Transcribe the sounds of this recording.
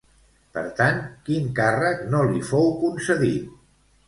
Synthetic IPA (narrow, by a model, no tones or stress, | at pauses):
pə̰ɾt̪ankiŋkarəknolifowkunsəðit̪